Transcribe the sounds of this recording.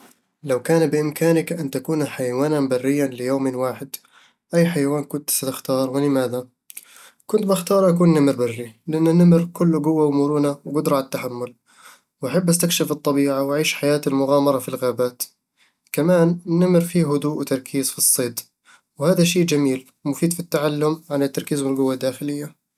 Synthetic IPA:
lawkaːnbɪʔɪmkaːnɪkʔant̪akuːnħajawaːnanbarːɪjːanlɪjoːmɪnwaːħɪd̪ | ʔajːħajawaːnkʊnt̪sat̪ɪxt̪ɑːɾˤwɪlɪmaːða | kʊnt̪baxt̪ɑːɾˤʔakuːnːamɾbarːilɪʔanːanːamɾkʊlːʊɡʊwːawmʊɾuːnawɡʊd̪ɾˤʕaat̪ːaħamːʊl | wʔaħabːʔast̪akʃafɨt̪ˤːɑbiːʕawʔaʕiːʃħajaːt̪almʊɣɑːmɑɾˤɑfilɣaːbaːt̪ | kamaːnɪnːamɾfiːɦʊd̪uːʔwɪt̪ɑɾˤkʰiːzfisˤːeːd̪ | whaːðaʃeːʔd͡ʒamiːl | mʊfiːd̪fit̪ːaʕalːʊmʕanat̪ːɑɾˤkiːzwɪlɡʊwːad̪ːaːxɪlɪjːa

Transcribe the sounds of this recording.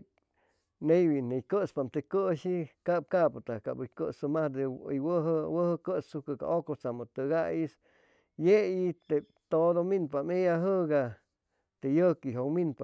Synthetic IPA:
nejwinejkəspamt̪ekəʃikap̚kapt̪akabkəsɨmahd̪eə̰jwəɦwəhkəsukɨka̰ʔokot͡samot̪ɨɡajis | jeit̪e | t̪od̪ominpamejaɦɨɡa | t̪ejəkiɦokminpa

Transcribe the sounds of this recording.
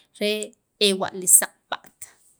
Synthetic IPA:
ɾe | ewa̰ʔlisaq̚ʼpa̰ʔt̪

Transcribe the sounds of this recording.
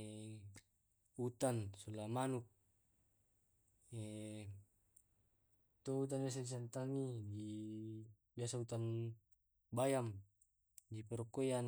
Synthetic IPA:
ut̪ansɔlamanuk̚ | ɛ | t̪ɔut̪̬anbias̬adisant̪aŋidi | biasaut̪an | bajam | dipɛɾɔkojan

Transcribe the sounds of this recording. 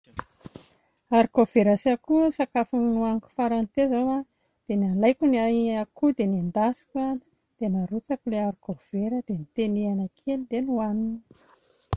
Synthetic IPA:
aɾikov̥eɾasakusakafunnuaniku̥faɾant̪ezawa | d̪̥enialajkʲuniaakud̪enand̪asi̥ka | d̪̥enaɾut͡sakuleaɾikov̥eɾəd̪̥enit̪enianakʰelid̪enuanini̥

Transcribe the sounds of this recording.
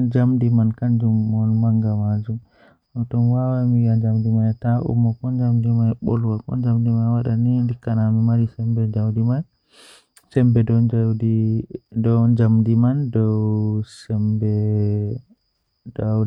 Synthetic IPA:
d͡ʒamdimankand͡ʒumːɔnmaŋɡamad͡ʒum | ɔtɔnwawamiɡad͡ʒamdimantaʔṵmːɔkɔnd͡ʒamdimajɓɔ̰lwakɔ̰nd͡ʒamdimanwaɗanindikːanamimaɾisɛmbɛd͡ʒawdiman | sɛmbɛdɔd͡ʒadidɔd͡ʒamdimandɔwsɛmbɛ | dɔw

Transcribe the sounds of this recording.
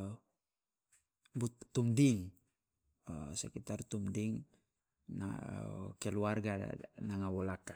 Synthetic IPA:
but̪ːumdiŋ | sɛkit̪art̪umdiŋ | na̰kɛluarɡa̰naŋawɔlaka

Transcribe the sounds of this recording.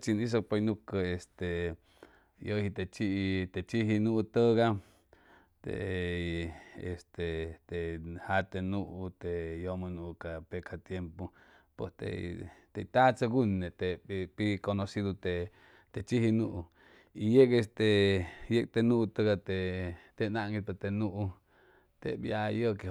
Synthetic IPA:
t͡ʃinis̬ok̚ponukəest̪e | johit̪et͡ʃiʔt̪et͡ʃiɦinuʔt̪əɡa | t̪ḛ | est̪et̪ehat̪enuʔut̪ejomənukapekʰat̪jempo | po̰st̪ḛt̪et̪at͡saɡunet̪epikonosid̪ut̪e | t̪et͡ʃihinuʔu | ijekest̪ejek̚t̪enũt̪əɡat̪et̪enaʔŋɡipet̪enuʔu | t̪ḛbjajoke

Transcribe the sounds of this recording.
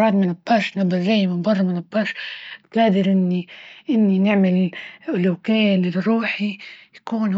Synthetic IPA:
ɑːd̪mɪnabːaːʃnabːaʒaːjmɪbɑrˤːɑmɪnabːaːʃt̪aːd̪ɪɾʔɪnːiʔɪnːinɪʕmɪlʔʊlukeːlɪɾˤuːħijakuːn

